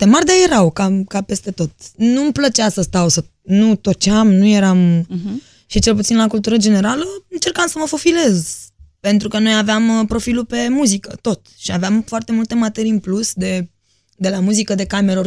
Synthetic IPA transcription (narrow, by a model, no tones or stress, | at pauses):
t̪emard̪ajeɾawkakape̞st̪e̞t̪o̞t̪̚numplət͡ʃeasəst̪awsə | nut̪o̞t͡ʃamnuje̞ɾam | ʃit͡ʃelput̪sinlakult̪uɾəd͡ʒe̞ne̞ɾaləɨnt͡ʃe̞rkamsəməfo̞file̞zpe̞nt̪ɾukəno̞javeampɾo̞filupe̞muzikə̰t̪o̞t̪ʃiaveamfoart̪e̞mult̪e̞mat̪e̞ɾiɨnplusd̪e̞ | d̪e̞lamuzikəd̪e̞kameɾor